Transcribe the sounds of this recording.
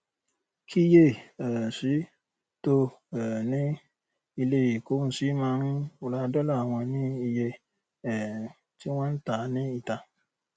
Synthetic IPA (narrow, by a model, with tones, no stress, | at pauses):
kʰi˦je˦˨ɛ˨si˨˦ | to˧˨nĩ˦ | i˧le˦˨i˨ko˨˦n̩˨si˨˦mãː˧˦ɾ̃ĩ˦o˦˧la˧dɔ˦la˦˨a˨w̃ɔ̃˧nĩ˦i˧je˧ | ɛ˨ | ti˦w̃ɔ̃˦n̩˦ta˨˦nĩ˦i˧ta˧